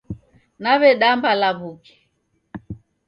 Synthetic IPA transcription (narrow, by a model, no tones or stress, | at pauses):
naβɛɗambalaβukɛ̥